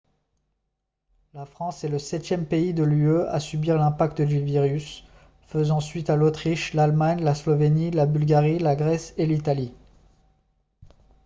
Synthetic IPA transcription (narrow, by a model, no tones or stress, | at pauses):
lafχɑ̃sɛləsɛt̪jɛmpeid̪əlyøa̰sybiʁlɛ̃pak̚t̪d̪yviʁys | fəzɑ̃sɥit̪alot̪χiʃlalmaɲlaslɔvenilabylɡʲaʁilaɡʁɛselit̪ali